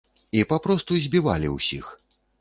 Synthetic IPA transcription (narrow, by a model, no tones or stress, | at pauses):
ipapɾɔst̪uzʲbʲiva̰lʲḭwsʲḭx